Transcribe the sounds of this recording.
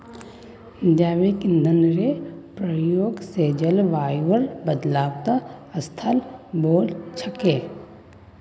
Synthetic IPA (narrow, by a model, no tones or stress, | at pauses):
d̪aːʋekɪ̃nd̪ʱənɾepɾəjoːɡseːd͡ʒəlʋaːjʋəɾbəd̪laːwt̪aɐst̪ʰəlboːlt͡ʃʰəkeː